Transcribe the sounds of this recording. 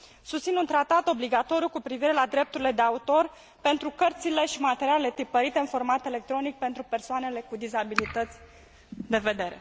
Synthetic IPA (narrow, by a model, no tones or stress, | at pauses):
sust̪sinunt̪ɾat̪at̪o̞bliɡat̪o̞ɾijukupɾiviɾe̞lad̪ɾe̞p̚t̪uɾile̞d̪eaut̪o̞r | pe̞nt̪ɾukərt̪sile̞ʃimat̪e̞ɾialele̞t̪ɾipəɾit̪e̞ɨnfo̞rmat̪e̞le̞k̚t̪ɾo̞nik̚pe̞nt̪ɾupe̞rsoane̞le̞kud̪izabilit̪ət̪sʲ | d̪e̞ve̞d̪e̞ɾe̞̰